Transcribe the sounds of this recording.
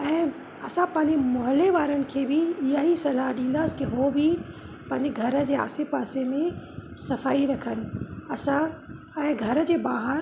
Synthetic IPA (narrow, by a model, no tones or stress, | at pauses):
ɛ̃ː | ɐsãpɐ̃ɦɪ̃ɲd͡ʑemʊɦəleʋaːɾənɪ̆kʰeːbɪɪɦaɦisɐlaɦɗĩːn̆d̪aːskiɦoːbʱi | pɐ̃ɦɪ̃ɲd͡ʑeɡʱɐɾə̆d͡ʑeːa̰ːsepaːsemẽsɐfaːiɾɐkʰənɪ̆ɐsã | ɛ̃ːɡʱɐɾd͡ʑeːbaːɦəɾ